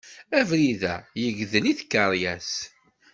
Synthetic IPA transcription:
ævɾiðæ̰jəʝðəniθkːəɾˤjæs

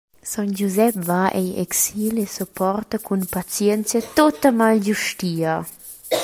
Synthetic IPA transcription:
sand͡ʒuzɛpvaʔɛjɛ̰ksilesopʰɔrt̪akunpat͡sjɛnt͡sjat̪ot̪əmalɟuʃtiːa

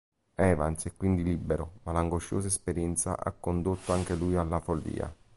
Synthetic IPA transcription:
ɛːva̰nt̪sɛkːwind̪ilibːeɾomalaŋɡoʃːoːs̬aespeɾjɛnt̪sa̰ʔa̰kːond̪ot̪ːoaŋk̟eluːjalːafolːḭːa̰

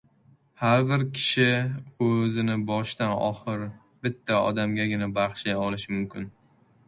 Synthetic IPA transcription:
haɾbɪɾkʲʰɪ̥ʃɪɵzɪnɪbɒʃt̪anɒ̰χɨɾ | b̥ɪt̪ʰːaɒ̰d̪amɡʲaɡʲɪnabaχʃajɒlɪʃɪmʊmkʲɪn

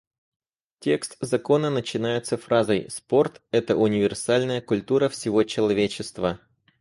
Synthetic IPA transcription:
tʲe̞kst̪zɐko̞nənət͡ɕɪnajɪt̪səfɾazəjspo̞rt̪ɛt̪əʔʊnʲɪvʲɪrsalʲnəjəkʊlʲt̪uɾəfsʲɪvo̞t͡ɕɪlˠɐvʲet͡ɕɪst̪və

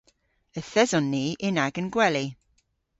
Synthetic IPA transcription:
əθɛzɔnːiːʔɪnaɡənɡwɛli

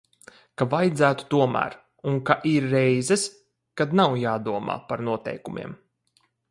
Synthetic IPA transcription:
kavajd̪zæːt̪u̥t̪uɔmæ̰ːɾ | uŋkaʔiɾːɛjzɛs | kad̪nawjaːd̪uɔma̰ːpaɾnuɔt̪ɛ̰jkumʲḭɛm

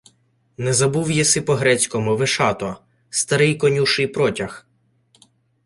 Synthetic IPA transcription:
nɛzɐbuwjɛsɪpɔɦɾɛt͡sʲkɔmʊʋɪʃɑt̪ɔ | st̪ɐɾɪjkɔnʲuʃɪjpɾɔtʲɐx

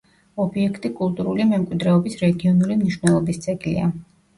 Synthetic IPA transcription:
ɔbiɛkʰt̪ʼikʼulˠt̪ʼuɾulimɛmkʼwid̪ɾɛɔbisɾɛɡiɔnulimniʃwnɛlˠɔbist̪sʼɛɡlḭa

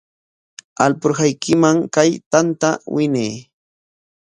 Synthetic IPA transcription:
alpʊɾɢajkʰɪmaŋkajt̪ant̪awɪneː

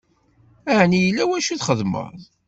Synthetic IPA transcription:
aʕnijəlːæwæʃuθχəðmə̰ðˤ

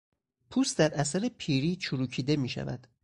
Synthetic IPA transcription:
pʰuːst̪d̪æɾæsæɾepʰiːɾiːt͡ʃʰuɾuːcʰiːd̪e̞miːʃæ̰væ̰d̪̥

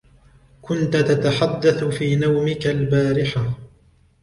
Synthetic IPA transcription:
kʊnt̪at̪at̪aħad̪ːaθfiːnawmɪkalbaːɾɪħa

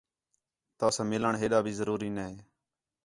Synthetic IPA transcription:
t̪aːsãːmɪləɳɦeːɗ̪aːbʱiːzəɾuːɾiːnəɦeː

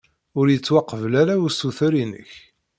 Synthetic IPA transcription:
ʊɾjət͡sːwɑqːəvlaɾaʊsuθɾinə̰ç

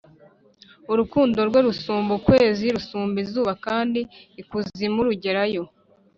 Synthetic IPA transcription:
uɾukuːndo̞ɾɡwe̞ɾusuːmbukwe̞ːziɾusuːmbizuːβakaːndiːkuzimuɾuɟe̞ɾajo̞

